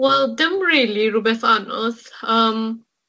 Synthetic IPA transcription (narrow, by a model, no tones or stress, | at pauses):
wɛld̪ɛ̃mɹiliɹubɛsanə̰lsʌm